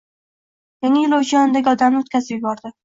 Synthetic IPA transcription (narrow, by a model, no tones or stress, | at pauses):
jaŋajɪlˠowd͡ʒiɒnd̪aɡʲɒd̪amnot̪kʲazɪpjʊbɒɾd̪ɪ